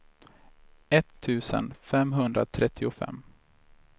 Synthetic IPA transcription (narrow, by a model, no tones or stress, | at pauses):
ɛt̪ʰːʉ̟ːsə̰nfɛmɦɵnd̪ɾat̪ʰɾɛt̪ʰːɪʊfɛ̰mː